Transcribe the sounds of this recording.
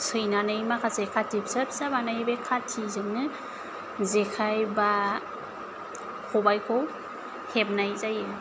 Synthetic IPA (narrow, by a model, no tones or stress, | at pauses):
sɯjnanɯjmakʰasɯjkʰatip̚sɯp̚sabanajbekʰatʰizɯŋnɯ | zekʰajba | kʰɔbajkʰɔw | hep̚najzajɯ